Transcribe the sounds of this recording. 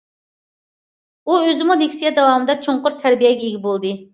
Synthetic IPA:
uøzɪmulekʲsijɛd̪ɛwɑmɨd̪ɑt͡ʃʰoɴqʊɾt̪ʰæɾbijɛɡʲɛeɡʲɪbolˠd̪ɨ

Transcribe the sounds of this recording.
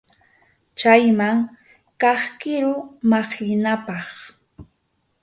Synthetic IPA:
t͡ʃajmaŋ | kɑχkɪɾʊmɑχjɪnapɑχ

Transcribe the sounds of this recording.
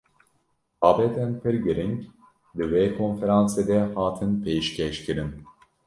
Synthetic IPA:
aːbɛt̪ʰɛnpʰɨɾɡɨɾiŋk | d̪ɨweːkʰonfeɾansed̪ɛhaːt̪ʰɨnpʰejʃcʰɛʃciɾin

